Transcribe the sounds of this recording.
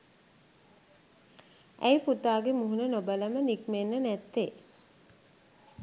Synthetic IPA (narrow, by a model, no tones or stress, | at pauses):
ʔæjput̪aːɡemuɦunənobələmənikmenːənæt̪ːe